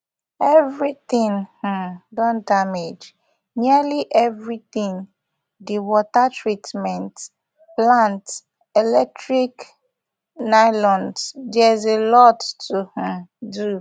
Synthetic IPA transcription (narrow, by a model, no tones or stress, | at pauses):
ɛvɹit̪ĩŋh̩dɔ̃ndamed͡ʒ | nialiʔɛvɹit̪ĩŋ | diwɔtatʰɹitmɛ̃nt | plãnt | elɛk̚tʰɹik | naɪlɔ̃nsd͡ʒɛzelɔttʰuh̩du